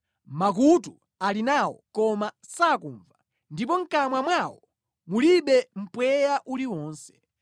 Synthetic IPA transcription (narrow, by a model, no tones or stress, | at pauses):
mak̬utu | alinawɔ̰kɔma | sakuːɱva | ndip̬ɔŋ̩kamwamwawɔ | muliɓɛm̩pwɛjaʔuliwɔːnsɛ̥